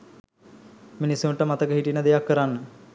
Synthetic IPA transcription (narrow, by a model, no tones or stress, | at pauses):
minisjumʈəmat̪əkəɦiʈinəd̪ejakːəɾanːə